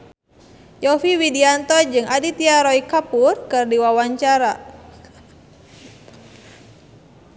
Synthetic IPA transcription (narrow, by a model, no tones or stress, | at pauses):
jɔfiwidiant̪ɔd͡ʒɨŋadit̪iaɾɔikapurkɨrdiwawaɲt͡ʃaɾa̰